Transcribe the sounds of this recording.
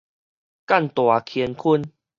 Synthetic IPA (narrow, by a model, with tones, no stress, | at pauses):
ka˥˨nt̪wa˨˩kʰiɛ˧nkʰu˥˧˨n